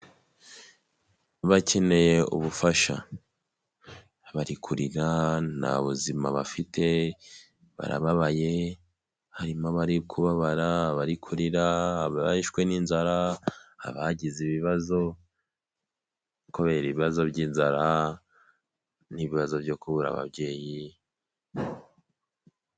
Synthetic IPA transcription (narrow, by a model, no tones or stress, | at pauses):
βacʰe̞ne̞je̞ṵβufaʃa̰ | βaɾikʰuɾiɾana̰βuzimaβafitʰe̞ | βa̰ɾa̰βaβaje̞ | haɾimaβaɾikʰuβaβaɾaβaɾikʰuɾiɾaβaiʃkwe̞niːnzaɾaa̰βaɟiziβiβazo̞ | koβe̞ɾiβiβazo̞bɟiːnzaɾa | niβiβazo̞bjo̞kuβuɾa̰βa̰bɟe̞ːji